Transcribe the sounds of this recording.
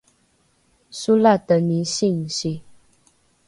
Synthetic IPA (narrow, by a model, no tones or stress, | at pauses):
sulat̪əniɕiŋɕi